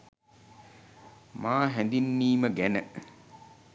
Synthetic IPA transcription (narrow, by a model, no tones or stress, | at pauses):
maːɦɛnd̪inːiːməɡænə